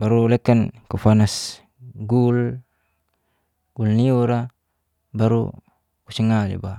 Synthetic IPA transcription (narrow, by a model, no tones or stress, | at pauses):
baɾulɛkːankufanas | ɡul | ɡ̥ulniuɾa | baɾṵ | kusəŋalḭba̰